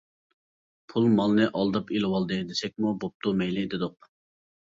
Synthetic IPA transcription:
pʰulˠmɑlˠnɨʔɑlˠd̪ɑpilwɑlˠd̪ɨd̪esɛk̚ʲmubop̚t̪ʰumɛjlɪd̪ɪd̪ʊq̚

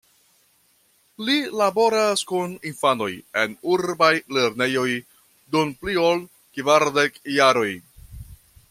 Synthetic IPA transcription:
lilabo̞ɾaskuninfano̞je̞̰nuɾbajle̞ɾne̞jo̞j | dunpliol | kvaɾdekjaɾo̞j

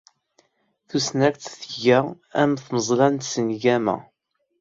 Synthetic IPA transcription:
θusnækt̪θəʝə | æmθməzˤlænt̪sənʝæmæ̰

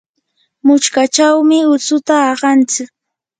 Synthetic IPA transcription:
mʊt͡ʃkat͡ʃawmɪʊt͡sʊt̪aːɢɑnt͡sɪk̚

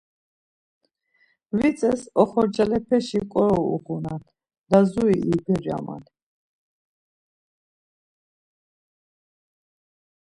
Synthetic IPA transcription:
vit͡s̪ʼɛsɔχɔɾd͡ʒalɛpʰɛʃikʼɔɾɔṵqunat̪ʰ | d̪azuiʔibʰɛɾa̰ma̰d̪ʰ

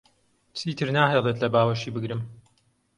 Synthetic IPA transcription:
t͡sʰiːt̪ʰɨɾnaːɦejlˠet̪lɐbaːwɐʃiːbɨɡɾɨm

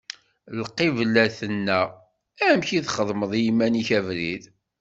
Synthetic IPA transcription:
lqːivlːæθənːæ | æmçiθχəðˤməðˤjimːæniçævɾið

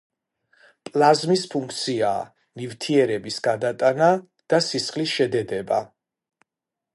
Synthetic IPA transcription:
pʼlˠazmispʰuŋkʰt̪sʰia̰ː | nivt̪ʰiɛɾɛbisɡ̥ad̪at̪ʼana | d̪̥asisχlisʃɛd̪ɛd̪ɛba̰

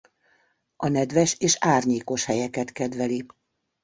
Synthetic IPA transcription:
ɒnɛd̪ʋɛʃeːʃaːrɲeːko̞ʃhɛjɛkɛt̪kɛd̪ʋɛli

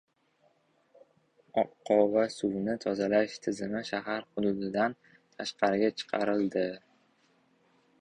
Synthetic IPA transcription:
ɒqːɒvasʊwnɪt̪ʰɒzalaʃt̪ʰɪzɪmɪʃaɦaɾχʊd̪ʊd̪ɪd̪an | t̪ʰaʃqʰɑɾɪɡʲat͡ʃʰɨ̥qʰɑ̰ɾɪld̪ɪ

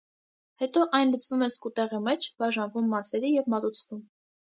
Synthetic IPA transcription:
hɛt̪ɔʔɑjnlət͡sʰvumɛskut̪ɛʁimɛt͡ʃʰb̥ɑʒɑnvumːɑsɛɾijɛvmɑt̪ut͡sʰvum

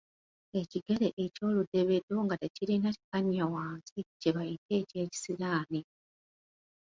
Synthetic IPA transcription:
e̞ciɡe̞le̞ʔeco̞ːlude̞βe̞do̞ŋɡatecilinati̥kaɲawaːnziceβajite̞ːce̞ːci̥siɾaːne

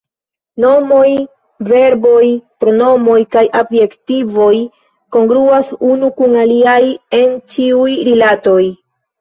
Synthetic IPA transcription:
no̞mo̞j | ve̞ɾbo̞jpɾo̞no̞mo̞jkajʔobje̞ktivo̞j | ko̞ŋɡɾuasunukuŋaliaje̞nt͡ʃiujɾilato̞j

